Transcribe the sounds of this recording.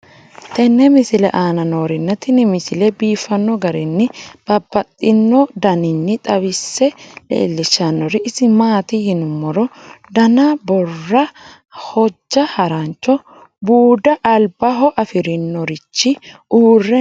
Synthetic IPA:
t̪ɛnːɛmɪsɪlɛ̰ʔaːnɐnoːɾɪnːɐt̪ɪnɪmɪsɪlɛbiːfːɐnːɔɡɐɾɪnːɪb̥ɐbːɐt̪ʼːɪnːɔd̪ɐnɪnːɪt̪ʼɐβɪsːɛlḛːlːɪʃɐnːɔɾɪʔːsɪmaːt̪ɪhɪnʊmːɔɾɔd̪ɐnabɔrːɐ | hɔd͡ʒːɐhɐɾant͡ʃːɔ | buːd̪ɐʔɐlbɐɦɔʔɐfɪɾɪnːɔɾɪt͡ʃːɪuːrːɛ

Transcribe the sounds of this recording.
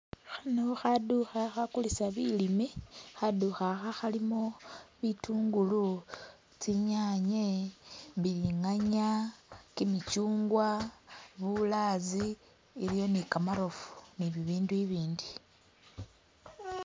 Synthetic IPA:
xanoxaduxaxakulisaβilimixaduxaxaxalimoβituːŋɡulu | t͡siɲaɲe̞βiliŋaɲakimit͡ʃuːŋɡwaβulaziː | lijo̞nikamaɾo̞fu̥niβiβiːnduiβiːndi

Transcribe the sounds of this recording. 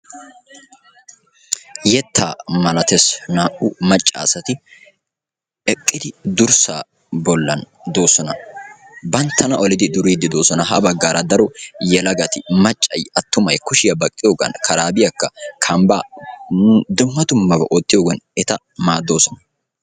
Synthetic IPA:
jɛt̪ʰːaːmɐlɐt̪ɛsnaːʔʊmɐt͡ʃʼːa̰ːsɐt̪ɪ | ʔɛkʼːɪd̪ɪd̪ʊɾsa̰ː | bɔlːɐn | d̪o̞ːsɔnɐ | bɐnt̪ʰːɐnɐʔɔlɪd̪ɪd̪ʊɾiːd̪ːɪd̪o̞ːsɔnɐɦɐ̰bɐɡːaːɾɐd̪ɐɾɔjɛlɐɡɐt̪ɪmɐt͡ʃʼːɐjɐt̪ːʊmɐjkʊʃɪjɐbɐkʼːɪjoːɡɐ̰nkʰɐɾaːbɪjɐkːɐkʰɐmbaː | d̪ʊmːɐd̪ʊmːɐbɐʔot̪ːɪjoːɡɐnɛt̪ɐ | maːd̪ːo̞ːsɔnɐ

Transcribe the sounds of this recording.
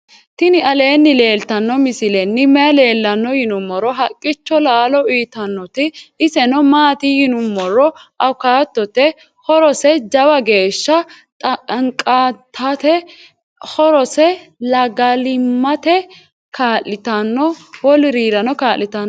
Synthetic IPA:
t̪ɪnɪɐle̞ːnːɪle̞ːlt̪ɐnːɔmɪsɪlɛnːɪmɛɐle̞ːlːɐnːɔjɪnʊmːɔɾɔɦɐkʼːɪt͡ʃːɔlaːlɔiːt̪ɐnːɔt̪ɪʔɪsɛnɔmaːt̪ɪjɪnʊmːɔɾɔʔɐwkaːt̪ːɔt̪ɛ | hɔɾɔsɛd͡ʒɐwɐɡe̞ːʃːɐ | t̪ʼŋkʼaːt̪ʰːɐt̪ɛ | hɔɾɔsɛlɐɡɐlɪmːɐt̪ɛ | kʰaːlːɪt̪ɐnːɔwɔlɪɾiːɾɐnɔkaːlːɪt̪ɐn

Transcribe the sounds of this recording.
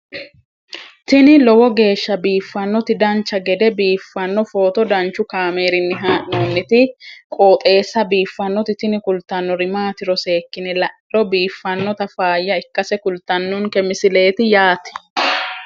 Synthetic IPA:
t̪ɪnɪlɔwɔɡe̞ːʃːɐbiːfːɐnːɔt̪ɪd̪ɐnt͡ʃːɐɡɛd̪ɛbiːfːɐnːɔfo̞ːt̪ɔd̪ɐnt͡ʃːʊkaːmeːɾɪnːɪɦaːʔnoːnːɪt̪ɪkʼo̞ːt̪ʼe̞ːsːɐbiːfːɐnːɔt̪ɪt̪ɪnɪkʊlt̪ːɐnːɔɾɪmaːt̪ɪɾɔse̞ːkːɪnɛlɐ̥ | ɔbiːfːɐnːɔt̪ɐfaːjːɐɪkːɐsɛkʊlt̪ːɐnːʊŋkɛmɪsɪle̞ːt̪ɪjaːt̪ɪ̥

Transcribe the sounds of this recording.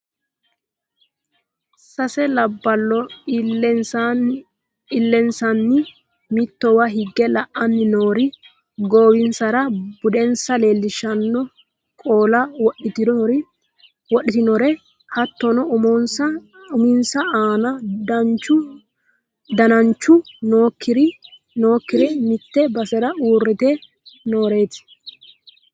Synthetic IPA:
sɐsɛlɐbːɐlːɔ | ɪlːɛnsɐnːɪ | mɪt̪ːɔwɐɦɪɡːɛlɐʔɐnːɪnoːɾɪ | ɡoːwɪnsɐɾɐbʊdɛnsɐleːlːɪʃɐnːɔ | kʼoːlɐwɔɗɪt̪ɪɾɪ | wɔɗːɪt̪ɪnɔɾɛ | hɐt̪ːɔnɔʊmɔnsɐ | ʊmɪnsɐaːnɐt͡ʃːʊ | d̪ɐnɐɲt͡ʃːʊnoːkːɪɾɪ | noːkːɪɾɛmɪt̪ːɛbɐsɛɾɐuːrːɪt̪ɛ | noːɾe̞ːt̪ɪ̥

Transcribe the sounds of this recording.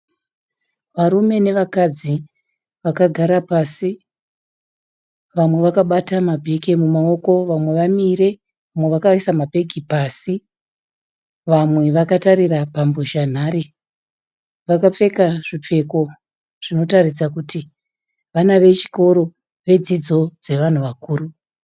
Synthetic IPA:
ʋaɾume̞ne̞ʋakad͡zi | ʋakaɡʱaɾapasi | ʋamwe̞ʋakaɓatamabʱeɡemumao̞ko̞ʋamwe̞ʋamiɾe̞ | ʋamweʋakaisamabʱe̞ɡʱipasi | ʋamwe̞ʋakataɾirapambuʃan̤aɾi | ʋakap͡fe̞kaʐip͡fe̞ko̞ | ʐ̥ino̞tarid͡zakuti | ʋanaʋe̞t͡ʃi̥ko̞ɾo̞ | ʋe̞d͡zid͡zo̞d͡ze̞ʋan̤uʋakuːru

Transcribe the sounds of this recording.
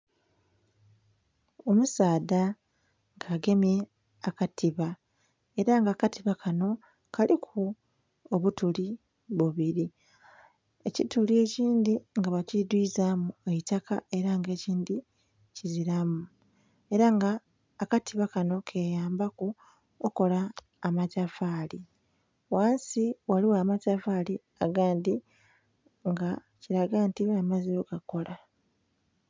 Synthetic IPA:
o̞musaːda | ŋɡaːɡe̞mje̞ | akatʰiβa | e̞ɾaŋɡaːkatiβakʰano̞ | kalikʰu | oβutuli | βuβiɾi | e̞citulie̞ːciːnd̪iŋɡaβacid̪wiːzamueitaka̰e̞ɾaŋɡe̞ːciːndi | ciziɾamu | e̞ɾaŋɡaː | katiβakano̞kʰe̞ːjaːmbaku | oko̞laː | macafaːli | waːnsiwaliwaːmacafali | a̰ɡaːndi | ŋɡa | ciɾaɡantiamaziɾoɡako̞la

